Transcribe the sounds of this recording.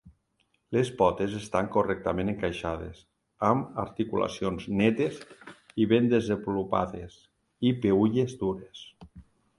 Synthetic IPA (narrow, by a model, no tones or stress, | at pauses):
lespɔt̪ezest̪aŋkorɛk̚t̪amẽneŋkajʃaðḛz | amaɾt̪ikula̰sionznɛt̪ez | iβend̪ezembulupa̰ðes | ipeuʎezd̪uɾes